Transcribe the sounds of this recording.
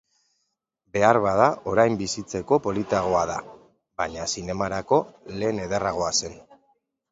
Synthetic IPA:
be̞aɾβaðaʔo̞ɾajmbisit͡se̞ko̞po̞lit̪aɣ̞oað̞a̰ | baɲasine̞maɾako̞le̞ːneðeraɣ̞o̞ase̞n

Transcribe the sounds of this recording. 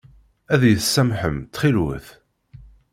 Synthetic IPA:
æðjəθsːæmħəmt͡s̪ːχilwə̰θ

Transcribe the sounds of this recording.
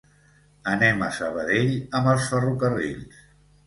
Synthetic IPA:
ənɛmə̰səβ̞əðeʎəməlˠsfərukərḭʎs

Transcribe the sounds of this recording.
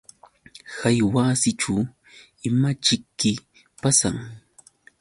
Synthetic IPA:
hajwasɪʈ͡ʂu | ɪmat͡ʃɪkːɪ | pasa̰ŋ

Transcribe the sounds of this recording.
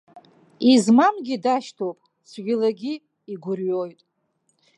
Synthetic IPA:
izmamɡʲidaʃtʰowpʼ | sʰɡʲʷᶣilaɡʲi | iɡʷʊrɥo̞jtʼ

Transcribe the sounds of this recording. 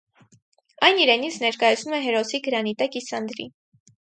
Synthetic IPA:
ɑjniɾɛnit͡sʰnɛɾkɑjɑt͡sʰnumɛɦɛɾɔsiɡəɾɑnit̪ɑkisɑnd̪ɾḭ

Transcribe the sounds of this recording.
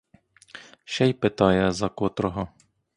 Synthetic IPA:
ʃɛjpɪt̪ɑjɛzɐkɔt̪ɾɔɦɔ

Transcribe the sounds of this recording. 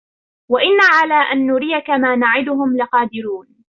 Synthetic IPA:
waʔɪnːaʕalaːʔanːʊɾɪjakamaːnaʕɪd̪ʊɦʊmlɪqɑːd̪ɪɾuːn

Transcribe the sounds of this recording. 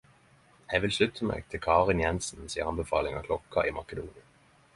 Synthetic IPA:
hæɪʋɪlslʉt̪ʰəmḛːɡ̚t̪ʰɪlkʰɑːʁɪnjɛnsn̩siːəʁɑnbəfɑ̰ːlɪŋɑ̰kʰlɔkɑʔiːmɑkəd̪uːnɪən

